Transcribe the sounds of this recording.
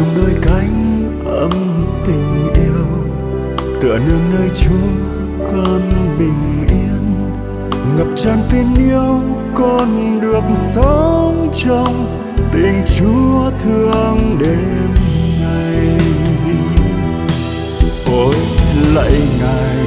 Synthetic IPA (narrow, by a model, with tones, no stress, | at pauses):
ŋ͡mɗəː˧jka˨˦jŋ̟ | ʔʔə˧˩m | t̪ï˨˩ŋ̟ʔi˧əw | t̪ɨ̰˧˨ənɨ˧əŋnəː˧jt͡ɕu˨˦ə | kɔ˨˩nɓï˨˩ŋ̟ | ʔi˧ən | ŋə˨˩p̚t͡ɕɔ˧nt̪i˧nʔi˧əwkɔ˨˩nɗɨ˨˩ək̚sə˨˦ŋ͡mt͡ɕɔ˧wŋ͡m | t̪ï˨˩ŋ̟t͡ɕu˨˦ət̪ʰɨ˧əŋɗe˨˦nŋa˨˩j | ʔo˨˦jla̰ː˧˨jŋa˨˩j